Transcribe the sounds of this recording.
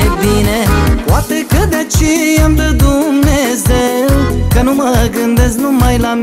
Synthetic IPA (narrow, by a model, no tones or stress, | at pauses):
binepoat̪ekəd̪eat͡ʃejamd̪əd̪umnezewkənuməɡɨnd̪eznumajlam